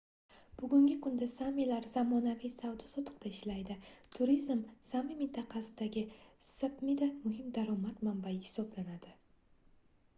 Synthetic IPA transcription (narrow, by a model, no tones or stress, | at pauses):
b̥ʊɡʲʊŋɡʲɪkʰʊnd̪asamilaɾz̥amɒnavijsawd̪ɒsɒt̪ʰɨ̥q̚t̪ʰaɪʃlajd̪ɪt̪ʰʊɾizmsamimɪnt̪ʰɑqʰɑsɪd̪aɡʲɪsapmid̪amʊɦɪmd̪aɾɒmat̪mambajɪhɪ̥sɒblanad̪ɪ